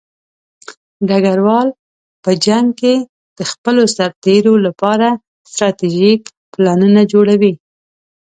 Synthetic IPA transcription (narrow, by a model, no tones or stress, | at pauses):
ɖaɡaɾwɑl | pəd͡ʒaŋɡke | d̪̥əxpəlosaɾt̪eɾolapɑɾa | st̪ɾɑt̪iʒik | plɑnunad͡ʒoɽawi